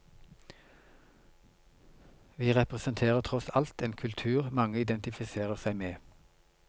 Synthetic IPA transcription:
ʋiːʁɛpʁəsənt̪ʰeːʁət̪ʰʁɔsɑlt̪eːnkʰʉlt̪ʰʉːʁmɑŋəɪd̪ɛnt̪ɪfɪseːʁəʁsæɪmeː

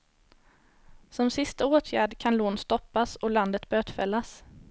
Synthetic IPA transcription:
sɔmsɪst̪aoːt̪ʰjæːɖkʰanloːnst̪ɔpːasɔland̪ət̪bøːt̪fɛ̰lːas

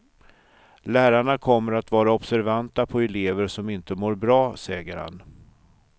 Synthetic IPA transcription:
læːɾaɳakʰɔmːəɾat̪vɑːɾaɔbsæɾvant̪apʰɔɛleːvəɾʂɔmɪnt̪əmoːɾbɾɑːsɛːɡəɾha̰n

